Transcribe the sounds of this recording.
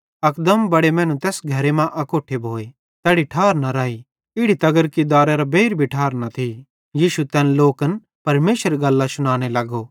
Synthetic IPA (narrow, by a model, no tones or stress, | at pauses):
ɐkd̪əmbɐɽemɛ̃ːnũt̪ɛːsɡʱɐɾemãʔɐkoːʈʰebʱoːe | t̪ɛːɽiʈʰaːɾnaɾaːi | ɪɽit̪ɐɡəɾkid̪aːɾeɾabeːɾbʱiʈʰaːɾnat̪ʰi | jiːʃut̪ɛːnloːkən | pɐɾmeːʃəɾeɡɐlːasʊɽ̃aːñelɐɡoː